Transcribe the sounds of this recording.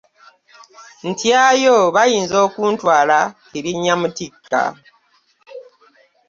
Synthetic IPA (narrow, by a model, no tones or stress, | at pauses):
n̩tjajoβajiːnzo̞ːkuːntwaːlakiɾiɲːamutikʰːa̰